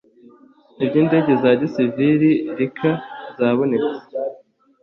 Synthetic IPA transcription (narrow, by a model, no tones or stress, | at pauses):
ibɟiːnde̞ɟe̞zaɟisiviɾiɾikʰaz̥aːβo̞ne̞t͡se̥